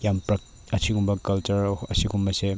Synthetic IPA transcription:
jampɾɐk̚ | ɐsʰiɡumbɐkɐlt͡ʃɐɾɐsiɡumbɐse

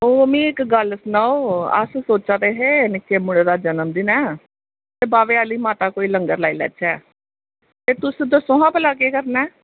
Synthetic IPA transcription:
õːmĩːɪkɡəlsnaːoːə̰ssoːt͡ʃaːt̪eːɦeːnɪkʰːeːmʊɽ̃eːd̪aːd͡ʒənəmd̪iːnɛː | t̪eːbaːʋeːaːliːmaːt̪aːkoːiːləŋɡəɾlaːiːlɛ̰ːt͡ʃʰɛː | t̪eːt̪ʊsd̪əsõːɦãːpəlaːkeːkəɾnɛː

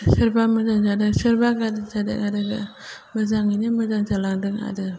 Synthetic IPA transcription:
sɯɾbamɯzaŋd͡ʒadɯsɯɾbaɡadɯd͡ʒadɯ̰ɡadɯɡa | mɯzaŋinimɯzaŋzalaŋdɯŋa̰dɯ

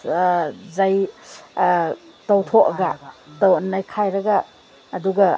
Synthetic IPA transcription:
zaj | tɐwtʰokɐɡɐtɐwɐnːajkʰajɾɐɡɐː | duɡɐ

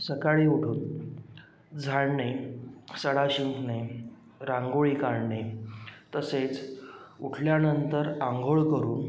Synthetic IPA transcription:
səkaɭiːuɽ̤ʱuːn | d͡zʱaɭɳesəɽaɕiŋkne | ɾãŋɡoɭiːkaɾɳet̪əset͡suʈʰljanənt̪əɾaŋɡʱoɭkəɾuːn

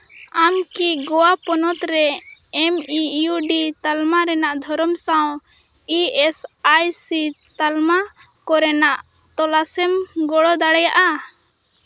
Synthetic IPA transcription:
amkiɡɔwapɔnɔt̪ɾɛɛmijuɖit̪almaɾɛnaʔd̪ʱɔɾɔmsaw̃ | iɛsajsit̪alma | kɔɾɛnaʔt̪ɔlasɛmɡɔɽɔd̪aɽɛjaʔa

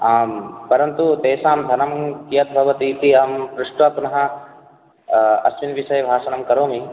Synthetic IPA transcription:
pɐɾɐnt̪ut̪eːsaːmd̪ʱɐnɐmkijɐt̪̚bʱɐʋɐt̪it̪iɐmpɾuʂʈʋapnɐɦɐ | ɐ̰sʋinʋiʃɐjbʱaːʃɐnɐmkɐɾoːmi

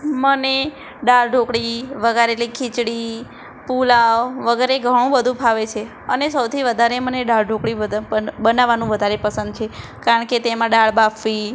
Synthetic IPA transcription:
məne | ɖaɭɖʱokɽiʋəɡaɾelikʰit͡ʃɽi | pulawʋəɡəɾeɡʱəɽ̃ũbəd̪ʱũpʰaʋet͡ʃʰe | ənesəwt̪ʰiʋəd̪ʱaɾeməneɖaɭɖʱokɽiəbənaʋːanũʋəd̪ʱaɾepəsənd̪̚t͡ʃʰekaɾəɳket̪emãɖaɭbafʰʋi

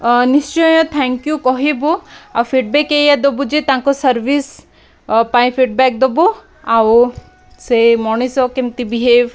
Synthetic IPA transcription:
nist͡ʃɔjɔ̃t̪ʰɛŋkjukɔɦibuawfʰiʈ̚bɛkejad̪obud͡ʒit̪aːŋkosɐɾʋis | paĩpʰiʈ̚bɛk̚d̪ɔbu | aw | semɔɳ̃isɔkemt̪ibiɦeʋ

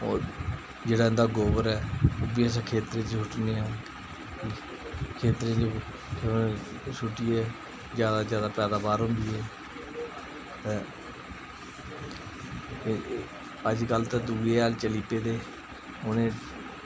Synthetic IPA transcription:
o̰ːɾ | d͡ʒeːɽaːɪ̃nd̪aːɡoːʋəɾɛːoːbiːəsãːkʰeːt̪ɾẽːt͡ʃsʊʈneːãː | kʰeːt̪ɾẽːt͡ʃʰː | sʊʈːiːɛː | zjaːd̪aːzjaːd̪aːpɛːd̪aːbaːɾɦʊ̃nd̪iːɛː | t̪ɛː | əd͡ʒkəlt̪eːd̪uːɽeːaːlt͡ʃəliːpeːd̪eː | ʊnẽː

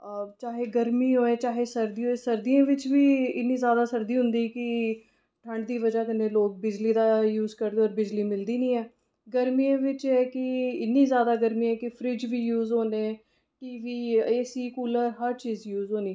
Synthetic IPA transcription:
t͡ʃaːɦeːɡəɾmiːɦoːẽːt͡ʃaːɦeːsəɾd̪iːɦoːeːsəɾd̪iãːʋɪt͡ʃʋiːɪ̰nːĩːzjaːd̪aːsəɾd̪iːɦʊ̃nd̪iːkɪ | ʈʰəɳɖd̪iːʋəd͡ʒaːkəneːloːk̚bɪd͡ʒliːd̪aːjuːzkəɾd̪eːɔːɾbɪd͡ʒliːmɪld̪iːnĩːɛː | ɡəɾmiːãːʋɪt͡ʃɛːkɪɪnːiːzjaːd̪aːɡəɾmiːɛːkɪpʰɾɪd͡ʒʋiːjuːzɦoːneː | kɪʋiːeːsiːkuːləɾɦəɾt͡ʃiːzjuːzɦoːniː

